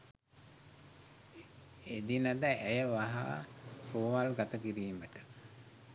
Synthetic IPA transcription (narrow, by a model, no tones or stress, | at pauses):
ed̪inəd̪əʔæjəʋaɦa̰ːroʋalɡat̪əkiɾiːməʈə̥